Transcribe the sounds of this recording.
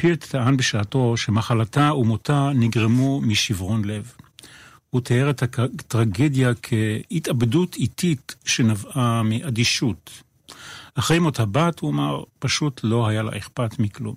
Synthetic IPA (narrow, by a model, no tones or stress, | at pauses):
piʁt̪ːaanbeʃaːto̞ʃemaχalataumotaniɡʁemumiʃivʁo̞nle̞v | hut̪eeʁet̪hatʁaɡed̪jakʰe̞itabdutʰititʃe̞navamiʔadiʃut | ʔaχʁejmot̪abathuamaʁpaʃutʰlo̞ɦajala̰ʔeχpatmiklṵm